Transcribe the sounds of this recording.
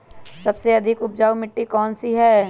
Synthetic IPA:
sɐbseɐd̪ʱɪkʊp̚d͡ʒaːwmɪʈːikɔːnsiɦɛː

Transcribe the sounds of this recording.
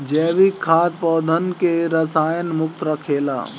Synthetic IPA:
d͡ʒɛːʋikʰːaːt̪̚pɔːd̪ʱənkeɾəsaːjənmʊk̚t̪ɾəkʰeːla̰ː

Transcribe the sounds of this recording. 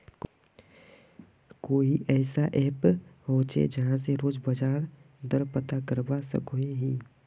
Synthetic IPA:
k | koːiʔɛːsaʔɛːpɦoːt͡ʃḛd͡ʒəɦãseɾoːd͡ʒbəd͡ʒaːɾ | d̪əɾpət̪akəɾbasə̰koeɦiː

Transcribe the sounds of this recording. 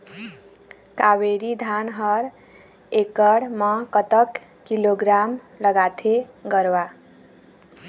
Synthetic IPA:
kaweɾid̪ʱanɦʌɾ | ekʌɽmʌkʌt̪əkː | iloɡɾam | ləɡat̪ʰeɡʌɾwa

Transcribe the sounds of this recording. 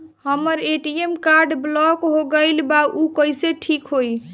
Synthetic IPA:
həməɾeʈiemkaɾɖblɔkɦoɡəɪlbaʔukəjseʈʰikɦoj

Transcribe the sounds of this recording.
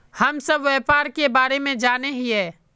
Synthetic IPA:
hɐmsɐbʋɛːpaːɾkebaːɾemẽd͡ʒaːneɦiɦɛː

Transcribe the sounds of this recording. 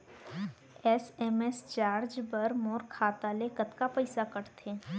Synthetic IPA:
ɛːsɛːmɛst͡ʃaːɾd͡ʒbɐɾmɔːɾkʰaːt̪alekət̪kapəɪsakɐɾt̪ʰẽ

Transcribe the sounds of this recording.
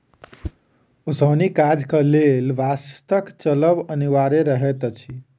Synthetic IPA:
osəwnikad͡ʒkəlelʋast̪əkt͡ʃələbəniʋaɾeɾəɦɛt̪t͡ʃʰi

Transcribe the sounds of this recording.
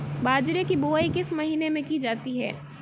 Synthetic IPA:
baːd͡ʒɾekiboːikɪsmɐɦiːnemẽkid͡ʒaːt̪iɦɛ̰ː

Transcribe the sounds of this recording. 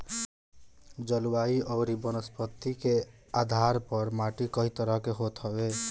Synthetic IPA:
d͡ʒəlwaiʔɔːɾibɔnəspət̪ikead̪ʱaɾpəɾmaʈikʌɦit̪əɾʌkeɦot̪ɦɔbe

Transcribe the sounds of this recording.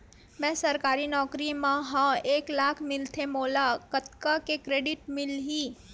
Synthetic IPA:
mɛ̃ːsɐɾkaːɾinɔːkɾimãɦãeːklaːkʰmɪlt̪ʰemoːlakət̪kakekɾeːɖɪʈmɪlɦiː

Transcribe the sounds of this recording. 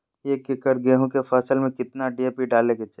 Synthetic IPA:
jekɪkəɾɡeːɦõkefɛːsəlmẽkɪt̪naɖieːpiɖaːleɡet͡ʃe

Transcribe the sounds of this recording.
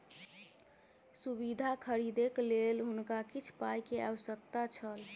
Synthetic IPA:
subid̪ʱakʰəɾid̪eklelɦunkakit͡ʃʰpajkeaʋəsək̚t̪at͡ʃʰəl

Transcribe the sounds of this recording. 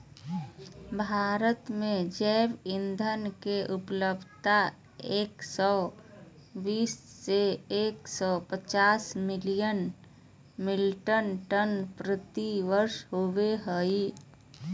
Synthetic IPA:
bʱaːɾət̪mẽd͡ʒɛːbɪnd̪ʱənkeʔʊpləbʱt̪a | eːksɔː | biːsːeeːksɔpət͡ʃaːsmɪlijən | mɪlʈənʈənpɾət̪iʋəɾʃɦoːweɦəi

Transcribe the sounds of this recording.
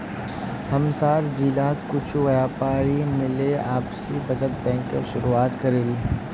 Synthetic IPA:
hɐmsaːɾd͡ʒiːlaːt̪kʊt͡ʃʰʋɐjaːpaːɾimɪleaːpsibɐd͡ʒət̪̚bɛ̃ːŋkːeʃʊɾuaːt̪kɐɾeːɡiː

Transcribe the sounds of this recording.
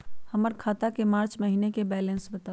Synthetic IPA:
həməɾkʰaːt̪akemaːɾt͡ʃməɦinekebɛːlẽnsbət̪aː

